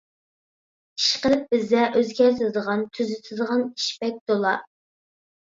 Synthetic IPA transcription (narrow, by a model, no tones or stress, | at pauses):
i̥ʃqəlɪp̚bɪzɛʔøzɡʲɛɾt̪ʰɪd̪əʁɑnt̪ʰyzɪt̪ʰɨzəʁɑni̥ʃpɛk̚ʲd̪olˠɑ̰